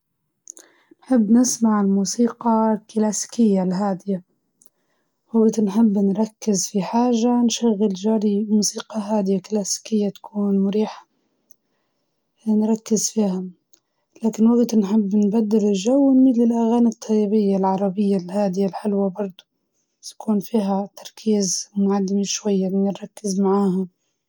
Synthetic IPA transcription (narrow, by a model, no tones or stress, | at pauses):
nħɪbːnɪsmaʕɪlmuːsiːqɑklaːsi̥kɪjːalɦaːd̪ɪja | waɡt̪nħɪbːnɾˤɑkːɪzfiħaːʒanʃaɣːɪlʒaːɾimuːsiːqɑɦaːd̪ɪjaklaːsi̥kɪjːat̪ḁkʰuːnmʊɾiːħḁ | nɾˤɑkːɪzfiːha | laːkɪnwaɡt̪nħɪbːnbad̪ːɪlɪʒawːmɪt̪lɪlʔaɣaːnɪt̪ˤʰːɑjibɪjːalʕɑɾˤɑbɪjːalhaːd̪ɪjalħɪlwabɑɾˤd̪ˤu | t̪ḁkuːnfiːɦat̪ʰɑɾˤkʰiːzmʊʕad̪ːɪmiʃwajːanɪɾˤɑkːɪzmaʕaːha